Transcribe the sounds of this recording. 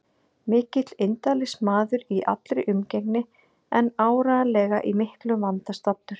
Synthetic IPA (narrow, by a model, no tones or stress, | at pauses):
mɪːcɪt̪lɪnt̪alɪsmaːðʏɾiʔa̰t̪lɾɪʔʏmcɛknɪ | ɛnaːwɾalɛːɣa̰ʔimɪhklʏmvant̪ast̪ɔpnʏɾ̥